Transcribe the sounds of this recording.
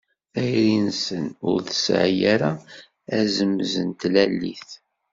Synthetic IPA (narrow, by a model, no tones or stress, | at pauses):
æjɾinsənʊ̰ɾθə̥sʕjaɾa | æzəmzənt̪lælːḭθ